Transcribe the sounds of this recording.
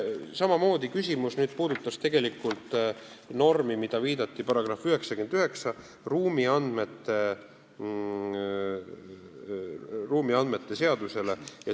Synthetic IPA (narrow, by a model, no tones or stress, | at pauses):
sɑmɑmo̞ːd̪ikysʲimusnyːd̪̥̚puːd̪ut̪ːˑɑst̪e̞ɡ̥e̞likːult̪ˑ | no̞rmimid̪̥ɑviːd̪ɑt̪ːipɑɾɑɡ̥rɑfyɦe̞ksɑkend̪̥yɦe̞ksɑ | ruːmiɑnd̪me̞t̪ːˑe̞ | ruːmiɑnd̪me̞t̪ːe̞se̞ɑd̪̥use̞le̞jɑ